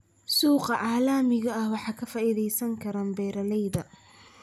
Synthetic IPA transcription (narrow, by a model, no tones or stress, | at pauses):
suːqɑʕɑːlaːmɪɣɐɐhwɑħɑːkʰɐfaːʔɪðɛjsɐŋkʰɐɾaːmbɛːɾɐlɛjðɐ